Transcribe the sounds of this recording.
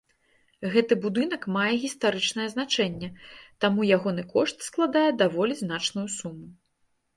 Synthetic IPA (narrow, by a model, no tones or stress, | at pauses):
ɣɛt̪ɨbud̪ɨnɐkmajɛɣʲist̪aɾɨt͡ʂn̪ɐjɛznat͡ʂɛnʲːɛt̪amujaɣɔnɨkɔʂt̪sklˠad̪ajɛd̪avɔlʲiznat͡ʂnujusumu